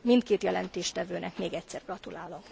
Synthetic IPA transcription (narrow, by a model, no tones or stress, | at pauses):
mint̪keːt̪jɛlɛnt̪eːʃt̪ɛvøːnʔɛkmeːɡɛcsɛrɡrɒt̪ulaːlo̞m